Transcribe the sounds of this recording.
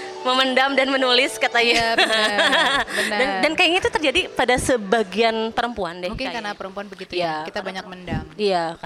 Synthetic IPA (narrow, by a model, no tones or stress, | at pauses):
məməndamdanmənulɪskat̪aja | dandankajiŋit̪ut̪ərd͡ʒadipadasəbaɡianpəɾəmpuandɛhmkakanapəɾəmpuanbəɡiijakit̪abaɲak̚məndamijaka